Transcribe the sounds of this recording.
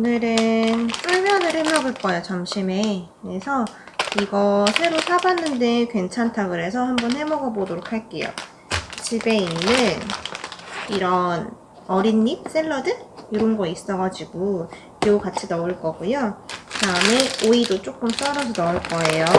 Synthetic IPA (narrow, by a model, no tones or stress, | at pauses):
onɯɾɯnsʰɯɭmjʌnɯɭhemʌɡoɭk͈ʌejot͡ɕamɕʰime̞kɯɾe̞sʰʌ | iɡʌsʰe̞ɾosʰabanːɯnde̞kwe̞nt͡ɕʰantʰakɯɾe̞s̬ʰʌɦambʌnhe̞mʌɡʌbodoɾok̚ʰaɭk͈e̞jo̰ | t͡ɕibe̞inːɯn | iɾʌn | ʌɾinːis͈eɭːʌdɯnjoɾonɡʌis͈ʌɡad͡ʑiɡu | oukat͡ɕʰinʌuɭk͈ʌɡujotaɯmeoidot͡ɕ͈ok͈ɯms͈ʌɾʌsʰʌnʌuɭk͈ʌe̞jo